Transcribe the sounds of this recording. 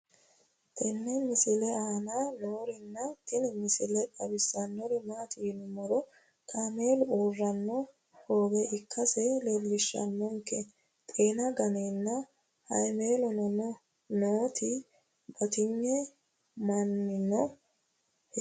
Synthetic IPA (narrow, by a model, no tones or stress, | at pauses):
t̪ɪnːɛmɪsɪlɛaːnanoːɾɪnːɐt̪ɪnɪmɪsɪlɛᶑɐbɪsːɐnːɔɾɪmaːt̪iːnʊmɔɾɔ | t̪ʰaːmeːlʊuːrːɐnːɔ | ho̞ːbɛʔɪkːɐsɛlelːɪʃːɐ̰nːɔŋkɛ | t̪ʼeːnɐɡɐneːnːɐ | hɐ̰jme̞ːlɔnɔnɔ | noːt̪ɪ | bɐt̪ɪɲːɛ | mɐnːɪnːɔ